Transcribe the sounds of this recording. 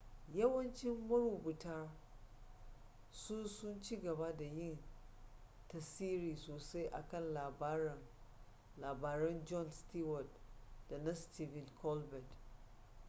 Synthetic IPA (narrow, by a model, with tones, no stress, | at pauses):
jɐ˦wɐ˦nt͡ʃɪ˦mːɐ˦ɾuː˨bʊ˨ta˦ | su˦sʊ˦nt͡ʃiː˦ɡɐ˨ba˦da˨jɪ˦˨n | tɐ˨siː˦ɾiː˨soː˨sa˦jʔa̰˨kɐ˦˨nla˨b | laː˨baː˨ɾɛ˦nd͡ʒɔ˦˨nsti˦wɔ˨dda˨na˦sti˦vɪ˨nkʰɔ˦lbɛ˨d